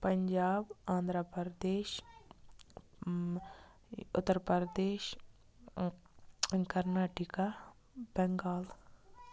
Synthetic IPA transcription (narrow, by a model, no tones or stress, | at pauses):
pɐɲd͡ʒaːbãːnd̪ɾəpɾd̪eːʃ | ʊ̰t̪ːəɾpəɾəd̪eːʃ | kəɾnaːʈika | bɛŋɡaːl